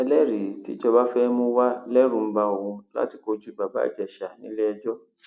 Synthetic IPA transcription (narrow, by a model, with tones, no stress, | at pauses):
ɛ˧lɛ˦˨ɾi˨ti˦t͡ʃɔ˧ba˦fɛ˦mũ˦wa˦lɛ˦ɾũ˧˦m̩˦ba˧o˨ũ˧la̰˦ti˧ko˧d͡ʒu˦ba˨ba̰˦˨d͡ʒɛ˨ʃa˨nĩ˦le˦ɛ˧d͡ʒɔ˦